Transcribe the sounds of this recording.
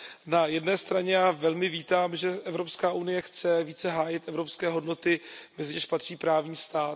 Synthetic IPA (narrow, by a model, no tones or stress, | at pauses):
najɛdnɛːst̪ɾaɲɛjaːvɛlmɪviːt̪aːmʒɛʔɛvɾopskaːʔunɪjɛxt͡sɛviːt͡sɛɦaːjɪt̪ʔɛvɾopskɛːɦo̞dno̞t̪ɪmɛzɪɲɛʃpat̪r̝̥iːpɾaːvɲiːst̪aːt̪